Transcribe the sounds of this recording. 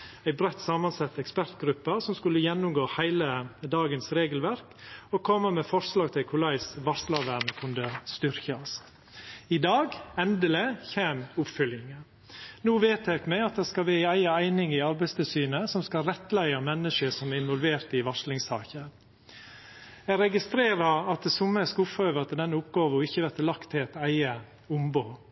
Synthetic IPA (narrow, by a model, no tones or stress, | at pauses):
æɪbɾɛt̪ːsɑmɑnsɑt̪ːɛkspæɾt̪ɡɾʉpːəsɔmskʉlːəjɛnːʊmɡoːhæɪləd̪ɑːɡənsɾeːɡəlʋæɾkɔkʰɔmːəmɛfɔɾʂlɑːɡ̚t̪ʰɪlkʰʊɭæɪsʋɑʂlɑʋæɳkʰʉnd̪əst̪ʏɾçɑs | ɪd̪ɑːɡɛnd̪əlɪçeːmʊpfʏljɪŋə | nuːʋeːt̪æɡmɛɑt̪̚d̪ɛːskɑʋæːɪæɪəæɪnɪŋɪɑɾbæɪst̪ʰɪlsyːnəsɔmskɑɾɛt̪ːlæɪɑmɛnːəʂəsɔmæɾɪnʋɔlʋeːɾt̪ɪʋɑʂlɪŋsɑ̰ːçəɾ | ɛɡɾɛɡɪst̪ɾeːɾɑɑt̪̚d̪ɛsʊmːəskʊpføːʋəɾɑt̪ɛd̪ɛnːʊpɡɑːʋəɔɪçːəʋæɾt̪əlɑkt̪ʰːɪɛt̪æɪə | ʊmboː